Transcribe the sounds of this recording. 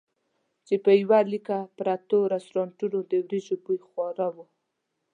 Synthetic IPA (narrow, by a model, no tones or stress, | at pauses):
t͡ʃepəjwalikapɾat̪oɾast̪ɾɑɳʈunod̪əwɾiʒobujxwɑɾawu